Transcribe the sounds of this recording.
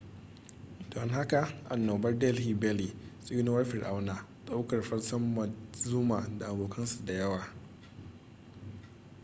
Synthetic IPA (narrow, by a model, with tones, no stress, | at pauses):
d̥ɔ˨ŋɦa˦ka˨ʔa˨nːoː˨bɐ˦rdɛ˦lhiː˨bɛ˦li˨sʼi˦na˦wɐ˦ɸɪ˨rʔa˦wnaː˨ɗʼa˦wkɐ˨rɸɐ˦rsɐ˦mːɐ˨zu˦maː˨da˨ʔa˨boː˨kɐ˦nsu˨da˨jɐ˦waː˨